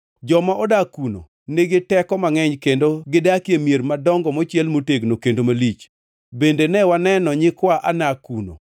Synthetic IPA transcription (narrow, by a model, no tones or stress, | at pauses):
d͡ʒɔmaʔɔdakuno̰ | neɡɪtɛkɔmaŋɛɲkendoɡɪdakjemjermadɔŋɡɔmɔt͡ʃjɛlmoteɡnokendomalit͡ʃ | bendenɛwanɛnɔɲɪkwaʔanakuno̰